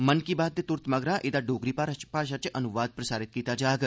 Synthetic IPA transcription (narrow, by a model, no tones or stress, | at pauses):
mənkiːbaːt̪̚d̪eːt̪ʊɾt̪məɡɾãːʔɪd̪aːɖoːɡɾiːpapaɾʃ̬ət͡ʃʔənʊʋaːd̪̚pɾəsaːɾɪt̪̚kiːt̪aːd͡ʒaːɡ